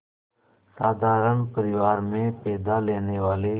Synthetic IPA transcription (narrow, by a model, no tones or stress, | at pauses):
saːd̪ʱaːɾənpəɾɪʋaːɾmẽːpɛːd̪aːleːneːʋaːleː